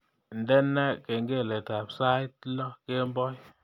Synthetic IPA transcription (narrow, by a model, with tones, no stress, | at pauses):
n˨dɛ˦nːa˦ke˨ŋɡe˦˨le˨ta˨psa˦t̚lɔ˦ke˦m˦bɔ˦j